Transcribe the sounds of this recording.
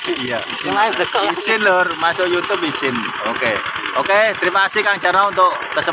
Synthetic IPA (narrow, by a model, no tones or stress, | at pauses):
ija | isɪnlʊrmasʊʔjut̪ʊpisɪn | okeoket̪ɾimaasikaŋt͡ʃaɾaunt̪ʊʔt̪əsə